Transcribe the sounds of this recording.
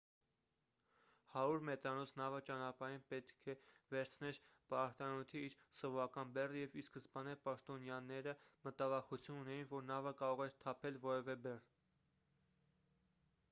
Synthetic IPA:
hɑɾuɾmɛt̪ɾɑnɔt͡sʰnɑvət͡ʃɑnɑpɑɾinpɛt̪kʰɛvɛɾt͡sʰnɛɾpɑɾt̪ɑnut̪ʰiiɾsɔvɔɾɑkɑnbɛrəjɛviskəszbɑnɛpɑʃt̪ɔnjɑnɛɾəmət̪ɑvɑχut͡sʰjununɛjinvɔɾnɑvəkɑɾɔʁɛɾt̪ʰɑpʰɛlvɔɾɛvɛbɛr

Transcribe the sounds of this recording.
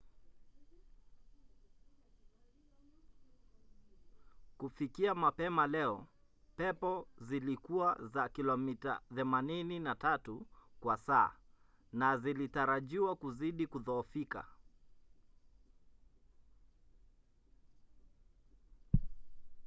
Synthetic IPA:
kufikiamapɛmalɛɔpɛpɔzilikuazakilɔmita̰θɛmanininatatukwasa̰ː | nazilitaɾaʄiwakuziɗikuðɔːfika̰

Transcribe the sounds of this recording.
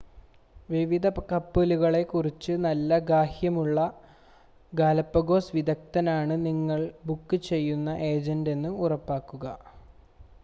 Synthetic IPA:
ʋiʋid̪ʱɐkɐpːeluɣɐɭe̞kurit͡ɕːɨnɐlːɐɡaːhjɐmuɭːɐ | ɡaːlɐpːɐɡo̞ːsʋid̪ɐk̚t̪ɐnaːɳɨniŋːɐɭbukːɨt͡ɕe̞jːunːɐʔe̞ːd͡ʑɐnde̞nːɨurɐpːaːkːuɣɐ

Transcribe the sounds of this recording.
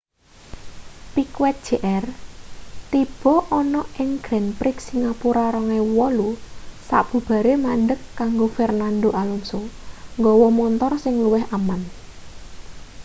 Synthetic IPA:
pikwɛt̪̚d̥ʒ̥e̤ʔɛr | t̪ib̥ɔ̤ʔɔnɔɪŋɡ̥ɾɛnpɾɪksiŋapuɾaɾɔŋewɔlusa̰ʔb̥ṳb̥a̤ɾemanɖəkːaŋɡofɛrnand̪oʔalunsoŋɡɔwɔmɔnt̪ɔrsɪŋluwɪɦaman

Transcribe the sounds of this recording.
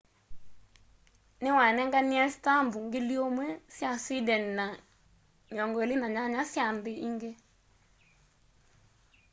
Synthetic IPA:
newanɛŋɡaniɛsi̥tambuŋɡeljomwɛsjasidɛnina | ɲɔŋɡɔelenaɲaɲasjandeiŋɡe

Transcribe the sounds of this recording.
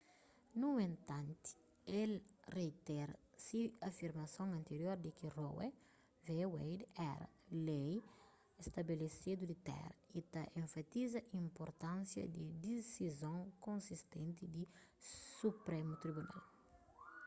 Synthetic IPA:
nũẽnt̪ãnt̪i̥ | elret̪ɛɾɐsiɐfiɾmɐsõŋɐ̃nt̪eɾjoɾd̪ikirowɛ | vewejd̪ɛɾɐ̰ | lej | est̪ɐbelesid̪ud̪it̪ɛ̰ɾɐit̪aʔẽɱfat̪izɐʔĩmpoɾt̪ãnsjɐ̰d̪id̪isizõŋkõnsist̪ẽnt̪id̪isupɾemut̪ɾibuna̰l

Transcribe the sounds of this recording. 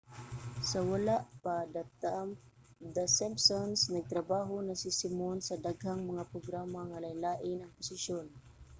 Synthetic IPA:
sɐwalaʔpad̪at̪ | d̪asɛmbsonsnɐɡ̚t̪ɾɐbaːɦonasɪsɪmonsɐd̪aɡhaŋmɐŋapɾoɡɾaːmaŋalajlaːʔɪnɐŋpʊsɪʃjon

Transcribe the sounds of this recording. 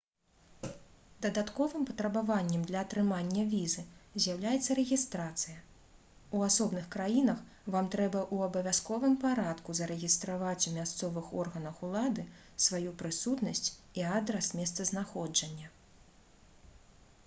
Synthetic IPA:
d̪ɐd̪at̪kɔvɨmpɐt̪ɾɐbavanʲːɛmd̪lʲɐːt̪ɾɨmanʲːɐvʲizɨzʲjɐwlʲajɛt̪sːɐɾɛɣʲist̪ɾat̪sɨjɐ | uasɔbnɨxkɾajinɐx | vamt̪ɾɛbɐʔuɐbɐvʲaskɔvɨmpaɾat̪kuzɐɾɛɣʲist̪ɾavat͡sʲumʲast̪sɔvɨxɔrɣɐnɐxulˠad̪ɨ | svajupɾɨsut̪nɐsʲt͡sʲiad̪ɾɐsmʲɛst̪sɐznaxɔd͡ʐɐnʲːɐ

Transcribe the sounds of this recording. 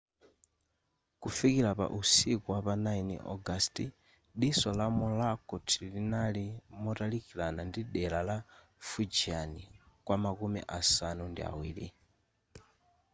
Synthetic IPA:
kufikiɾapa̰ʔusikɔwapanainḭʔɔ̰ɡasti | ɗisɔlamulakɔtʰilinalimɔtalikilanandiɗɛlala | fud͡ʒianikwamakumḭʔasanundḭa̰wḭːlḭ

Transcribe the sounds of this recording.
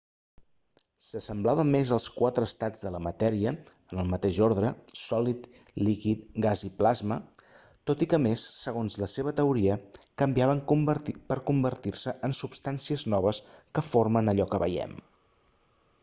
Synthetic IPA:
səsəmblaβəmːezəlˠskwat̪ɾəːst̪ad͡zðələmət̪ɛɾiəənəlˠmət̪eʒoɾðɾəsɔlit̪ | likit̪ɡaziplazmə | t̪ot̪ikəmesːəɣonzləseβ̞ət̪əuɾiəkəmbiaβ̞əŋəpəɾkumbəɾt̪iɾsəʔənsupst̪ansiəznɔβ̞əskəfoɾmənəʎɔkəβə̰jɛ̰m

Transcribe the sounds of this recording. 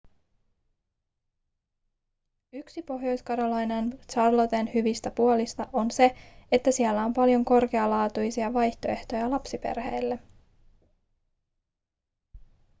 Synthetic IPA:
yksipo̞ɦjo̞jskɑɾolɑjnɑnt͡ʃɑrlot̪e̞nhyʋist̪æpuolist̪ɑʔo̞nse̞et̪ːæsiɛlːæo̞mpɑljo̞ŋko̞rke̞ɑlɑːt̪ujsiɑʋɑjçt̪o̞e̞ht̪o̞jɑlɑpsipe̞̰rhe̞jlːe

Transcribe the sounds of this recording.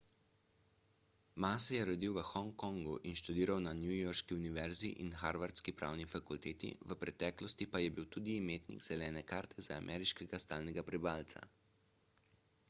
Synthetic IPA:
maːsɛjɛɾɔd̪iwʋəxɔŋkɔŋɡuʔinʃt̪ud̪iːɾawnanjujɔɾʃkiuniʋɛɾziʔinxaɾʋaɾt̪skipɾa̰wnifakult̪eːt̪ḭʋəpɾɛt̪ɛːklɔst̪ipajɛbiwt̪uːd̪iːmeːt̪nḭɡz̥ɛlɛːnɛkaːɾt̪ʰɛzaːmʔɛːɾiʃkɛɡast̪aːlnɛɡapɾibaːlt̪sa̰

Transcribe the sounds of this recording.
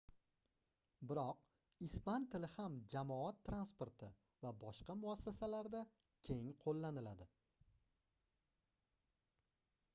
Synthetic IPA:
bɪɾɒq̚ | ɪspant̪ʰɪlɪhamd͡ʒamɒat̪ʰːɾanspoɾt̪ʰɪ | vabɒʃqɑmʊasːasalaɾd̪a | kʲʰe̞ŋqʰolˠːanɪlad̪ɪ

